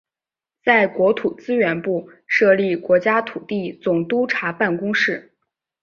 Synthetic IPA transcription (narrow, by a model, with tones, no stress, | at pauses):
t͡sa˥˩ɪkwɔ˧˥t̪ʰu˨˩t͡sɹ̩˥ɥɛ˧˥npu˥˩ | ʂɤ˥˧li˥˩kwɔ˧˥t͡ɕja˥t̪ʰu˨˩t̪i˥˩t͡sʊ˨˩ŋt̪u˥ʈ͡ʂʰa˧˥pa˥˩nkʊ˥ŋʂɻ̩˥˩